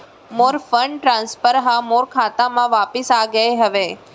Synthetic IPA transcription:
moːɾfəɳɖʈɾãːnspəɾɦamoːɾkʰaːt̪amãʋaːpɪsaːɡəeɦɐʋeː

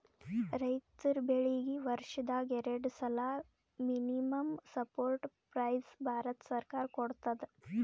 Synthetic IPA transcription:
ɾəjt̪iɾbeɭiɡiʋəɾʂəd̪aɡeɾeɖsəla | miniməmsəpoɾʈpɾajsbʱaɾət̪səɾkaɾkoɽt̪ad̪

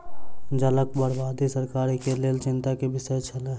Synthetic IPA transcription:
d͡ʒələkbəɽbaːd̪isɐɾkaːɾikeleːlt͡ʃɪ̃nt̪akebɪsəet͡ʃʰɐleː

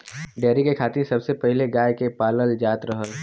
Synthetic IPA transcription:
ɖɛːɾikekʰaːt̪ĩsɐbsepɛɦleɡaːjkepaːləld͡ʒaːt̪ɾəɦəl

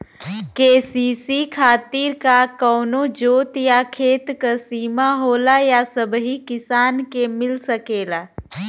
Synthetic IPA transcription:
keːsiːsikʰaːt̪iːɾkakɔːnod͡ʒoːt̪jakʰeːt̪kəsiːmaɦoːlajasəbɦikɪsaːnkemɪlsəkeːlaː

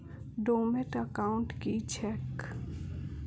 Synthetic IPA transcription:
ɖoːmeʈəkaʊɳʈkit͡ʃʰɛk

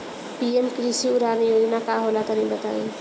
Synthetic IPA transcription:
piemkɾisiuɾanijod͡ʒnakaɦolak̪əɾibət̪a̰i

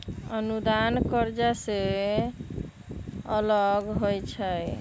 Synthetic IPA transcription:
ənud̪ankəɾd͡ʒase | ələɡɦojt͡ʃʰəj

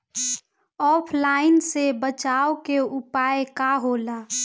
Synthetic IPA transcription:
ɔːpʰlaːɪnsebət͡ʃaːokeʊpaːekaɦoːlaː

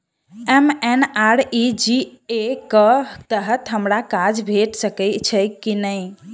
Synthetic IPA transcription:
emenaɾid͡ʒiekət̪əɦət̪ɦəmɾakad͡ʒbʱeʈsəkɛɪt̪t͡ʃʰəkinəɪ

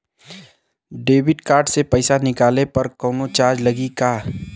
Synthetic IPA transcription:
ɖeːbɪɖkaːɾɖsepɐɪsanɪkaːlepɐɾkɔːnot͡ʃaːɾd͡ʒlɐɡikaː

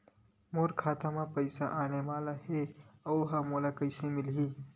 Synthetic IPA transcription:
moːɾkʰaːt̪amãpəɪsaʔaːneʋaːlaheɐwɦamolakəɪsẽmɪlɦi

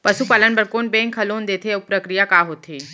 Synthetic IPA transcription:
pəsupaːlənpəɾkoːnbɛ̃ŋkʰɐloːnd̪eːt̪ʰepɾəkɾijakaːɦoːt̪ʰeː

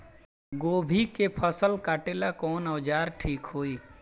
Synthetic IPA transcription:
ɡoːbʱikepʰəsəlkaːʈeːlakɔːnəd͡ʒaːɾʈʰiːkɦoːiː

